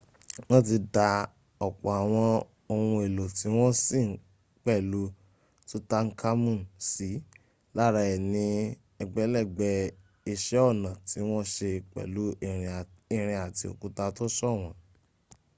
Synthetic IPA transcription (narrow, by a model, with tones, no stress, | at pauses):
w̃ɔ̃˦ti˧da˧ | ɔ˨k͡pɔ˨a˨w̃ɔ̃˧ | o˧hũ˧e˨lo˨ti˨˦w̃ɔ̃˦sĩ˦˨˦ | k͡pɛ˦˨lu˦ | to˦ta˦ŋ̩˦kʰa˦mũ˦˨nsi˨˦ | la˦˨ɾa˧ɛ˨nĩ˧ | ɛ˧ɡ͡bɛ˨˦lɛ˦˨ɡ͡bɛ˧˦ | i˧ʃɛ˨˦ɔ˦˨nã˨ti˨˦w̃ɔ̃˦ʃe˧k͡pɛ̰˨lu˨˦i˦˨ɾ̃i˦˨ɾ̃ĩ˧a˨ti˧o̰˨ku˨˧ta˧to˦ʃɔ˦˨w̃ɔ̃˨˦